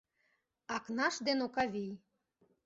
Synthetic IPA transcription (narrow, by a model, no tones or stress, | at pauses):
ɑknɑʃd̪enokɑβʲij